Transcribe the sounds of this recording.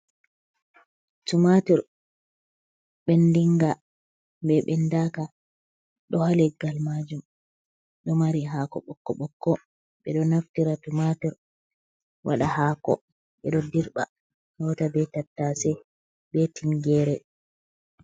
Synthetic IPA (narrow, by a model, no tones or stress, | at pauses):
tumatɔɾ | ɓɛndiŋɡa | bɛɓɛndaːka | ɗɔhalɛɡalmad͡ʒum | ɗɔmaɾiɦaːkɔ̰ɓɔkːɔɓɔkːɔ | ɓɛɗɔnaftiɾatumatɔɾ | wʔaɗahakɔ̰ | ɓɛɗɔdiɾɓa̰ | hɔtabɛtatːasɛ | bɛtʰiŋɡɛːɾɛ